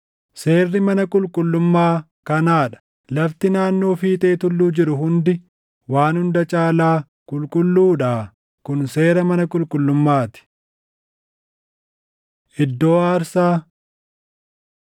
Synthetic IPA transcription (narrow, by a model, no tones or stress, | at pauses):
se̞ːrːɪmɐnɐkʼʊlkʼʊlːʊmːaː | kɐnaːᶑɐ̥ | lɐft̪ɪnaːnːo̞ːfiːt̪ʼe̞ːt̪ʊlːuːd͡ʒɪɾʊɦʊnd̪ɪ | waːnhʊnd̪ɐt͡ʃʼaːlaː | kʼʊlkʼʊlːuːᶑaː | kʊnse̞ːɾɐmɐnɐkʼʊlkʼʊlːʊmːaːt̪ɪ̥ | ʔɪd̪ːo̞ːaːɾsaː